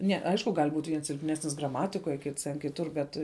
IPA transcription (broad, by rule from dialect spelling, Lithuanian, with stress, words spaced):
nʲɛ ˈɐɪʃkʊ ɡɐlʲ buːtʲ ʋʲiɛns sʲɪlʲpʲˈnʲæːsʲnʲɪs ɡrɐˈmɑːtʲɪkoːj kʲɪts tʲɛn kʲɪˈtʊr bʲɛt